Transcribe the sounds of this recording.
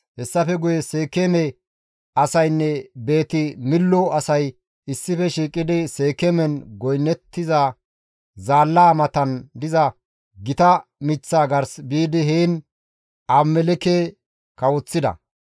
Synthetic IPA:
hɛsːɐfɛɡʊjɛse̞ːkɛmɛ | ɐsɐjnːɛbe̞ːt̪ɪmɪlːɔɐsɐj | ɪsːɪfɛʃiːkʼːɪd̪ɪse̞ːkɛmɛnɡɔjnːɛt̪ːɪza | zaːlːaːmɐt̪ɐnd̪ɪzɐ | ɡɪt̪ɐmɪt͡sːaːɡɐɾsbiːd̪ɪɦeːn | ʔɐmːɛlɛke | kɐwɔt͡sːɪd̪ɐ̰

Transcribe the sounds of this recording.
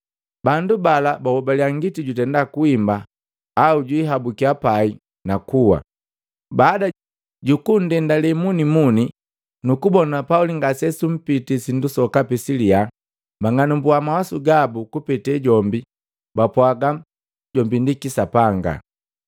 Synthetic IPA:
bandubalabawɔbaliaŋɡitiɟutɛndakuimbaː | uɟwiɦabukiapai | nakuwa̰ | baːda | ɟukun̩dɛndalɛmunimuni | nukubɔnapauliŋɡasɛsum̩pitisindusɔkapisilia | maŋanumbuamawasuɡabukupɛtɛɟɔmbi | bapwaɡa | ɟɔmbindikisapaŋɡa̰

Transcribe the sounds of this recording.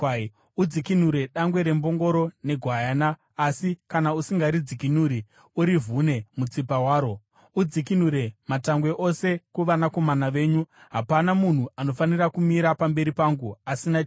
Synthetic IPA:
ud͡zikin̤uɾe̞ɗaŋɡwe̞ɾe̞mbo̞ŋɡo̞ɾo̞ne̞ɡʱwajanaː | sikanausiŋɡaɾid͡zikinuɾi | uɾivune̞mut͡sipawaːɾo̞ | ud͡zik̬inuɾe̞mataŋɡwe̞ʔo̞se̞kuʋanako̞manaʋe̞ːɲuɦapanamun̤uano̞fanirakumiɾapambe̞ɾipaŋɡuasina

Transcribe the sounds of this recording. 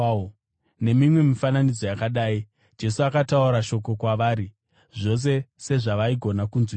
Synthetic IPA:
ne̞mimwe̞mifananid͡zo̞jakaɗaːi | d͡ʒe̞suakatauɾaʃo̞ko̞kwaʋaːɾi | ʐo̞s̬e̞se̞ʐaʋaiɡʱo̞nakunzwi

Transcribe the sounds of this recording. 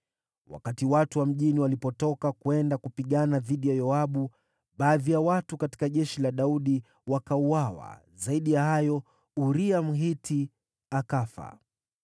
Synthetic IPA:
wa̰katiwatuwam̩ʄiniwalipɔtɔkakwɛndakupiɠanaðiɗijajɔaɓu | ɓaːðijawatukati̥kaʄɛʃilaɗauɗi | wakauawa̰ | zaiɗijahajɔ | uɾiam̩ɦitʰi | akafa̰

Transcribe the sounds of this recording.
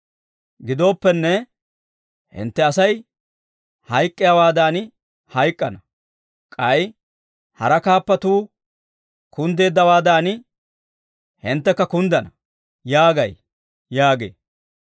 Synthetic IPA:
ɡɪd̪o̞ːpːɛnːɛ | hɪ̰nt̪ːɛɐsɐj | hɐjkʼːɪjaːwaːd̪aːnɪ | hɐjkʼːɐnɐ | kʼɐj | hɐ̰ɾɐkaːpːɐt̪uː | kʰʊnd̪e̞ːd̪ːɐwaːd̪aːnɪ | hɪnt̪ːɛkːɐkʊnd̪ɐnɐ | jaːɡɐj | jaːɡḛː

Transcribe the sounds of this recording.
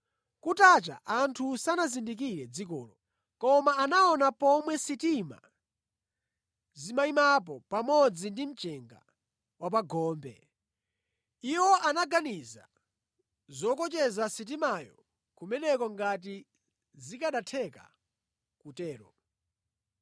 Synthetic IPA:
kutat͡ʃa̰ʔantʰusanazindik̬iɾɛd͡zikɔ̰ːlɔ | kɔmaːnaɔnapɔmwɛsitima̰ | zimaimap̬ɔpamɔd͡zindim̩t͡ʃɛŋɡa̰ | wap̬aɡʱɔːmbɛ̰ | iwɔʔanaɡaniza̰ | zɔkɔt͡ʃɛzasit̬imajɔ̰ | kumɛnɛkɔŋɡat̬i | zikaɗatʰɛka̰ | kutɛːɾɔ

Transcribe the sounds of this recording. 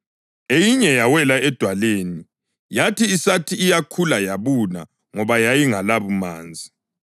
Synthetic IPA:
ejiɲɛjawɛlaɛd̥ʱwaleni | jatʰiːsatʰiːjakʰulajaβuna̰ | ŋɔβajajiŋalaβuma̰ːnd͡zʱi

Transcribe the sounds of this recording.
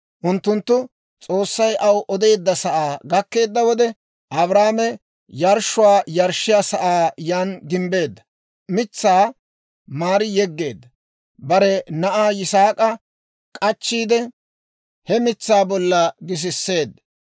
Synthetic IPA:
ʔʊnt̪ːʊnt̪ːʊ | t͡sʼo̞ːsːɐjʔɐwʔɔd̪e̞ːd̪ːɐsɐʔaːɡɐkːe̞ːd̪ːɐwɔd̪ɛ | ʔɐbɾaːmɛ | jɐɾʃʊwaːjɐɾʃːɪjaːsɐʔaːjaːnɡɪmbe̞ːd̪ːɐ̥ | mɪt͡sːaː | maːɾɪjɛɡːe̞̰ːd̪ːɐ | bɐɾɛnɐʔaːjɪsaːkʼɐ | kʼɐt͡ʃːiːd̪ɛ | hɛmɪt͡sːaːbɔlːɐɡɪs̬ɪsːe̞ːd̪ɐ

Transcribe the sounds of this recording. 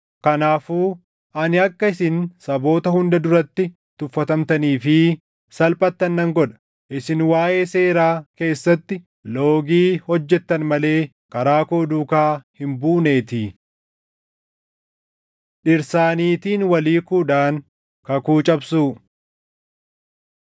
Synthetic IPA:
kɐnaːfuː | ʔɐnɪɐkːɐɪsɪnsɐbo̞ːt̪ɐhʊnd̪ɐd̪ʊɾɐt̪ːɪ | t̪ʊfːɐt̪ɐmt̪ɐniːfɪ | sɐlpʼɐt̪ːɐnːɐŋɡɔᶑɐ̥ | ʔɪsɪnwaːʔe̞ːse̞ːɾaːke̞ːsːɐt̪ːɪ | loːɡiːhɔd͡ʒːɛt̪ːɐnmɐle̞ː | kɐɾaːkoːd̪uːkaːhɪmbuːne̞ːt̪ɪ | ᶑɪɾsaːniːt̪iːnwɐliːkuːᶑaːn | kɐkuːt͡ʃʼɐbsuː

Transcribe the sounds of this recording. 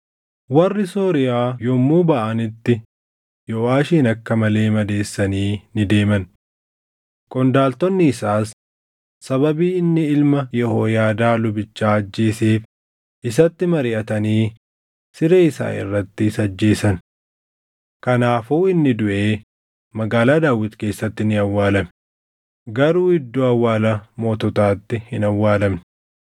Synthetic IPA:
wɐrːɪso̞ːɾɪjaːjɔmːuːbɐʔɐnɪt̪ːɪ | jɔʔaːʃiːnɐkːɐmɐle̞ːmɐd̪e̞ːsːɐniːnɪd̪e̞ːmɐn | kʼɔnd̪aːlt̪ɔnːɪːsaːsː | ɐbɐbiːɪnːɪɪlmɐjɛhoːjaːd̪aːlʊbɪt͡ʃːaːɐd͡ʒːe̞ːseːf | ʔɪsɐt̪ːɪmɐɾɪʔɐt̪ɐniː | sɪɾeːɪsa̰ːɪ̰rːɐt̪ːɪsɐd͡ʒːe̞ːsɐn | kɐnaːfuːɪnːɪd̪ʊʔe̞ː | mɐɡaːlaːd̪aːwːɪt̪ke̞ːsːɐt̪ːɪnɪɐwːaːlɐmɛ | ɡɐɾuːɪd̪ːoːɐwːaːlɐmoːt̪ɔt̪aːt̪ːɪhɪnɐwːaːlɐmn

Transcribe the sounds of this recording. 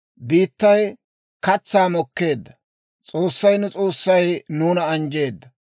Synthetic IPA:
biːt̪ːɐj | kɐt͡sːaːmɔkːe̞ːd̪ːɐ | t͡sʼo̞ːsːɐjnʊt͡sʼo̞ːsːɐjnuːnɐɐnd͡ʒe̞ːd̪ːɐ

